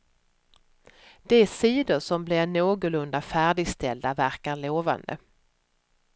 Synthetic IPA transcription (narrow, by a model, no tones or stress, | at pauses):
d̪̥ɛæsiːd̪ʊɾʂɔmblɪnoːɡʊlɵnd̪afæːɖɪɡst̪ʰɛld̪avæɾkaɭoːva̰nd̪ə̰